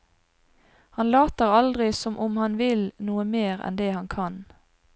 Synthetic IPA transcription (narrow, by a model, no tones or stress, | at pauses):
hɑnlɑːt̪əʁɑld̪ʁɪsɔmʔʊmhɑnʋɪlnuːəmeːʁɛ̰nd̪eːhɑnkʰɑn